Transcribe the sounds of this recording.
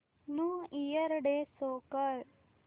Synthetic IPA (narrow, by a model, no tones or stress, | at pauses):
nuijəɾɖesoːkəɾ